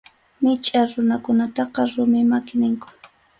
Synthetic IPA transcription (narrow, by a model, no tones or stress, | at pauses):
mɪt͡ʃʼaɾʊnakʊnat̪ɑqɑɾʊmɪmakɪnɪŋkʊ̥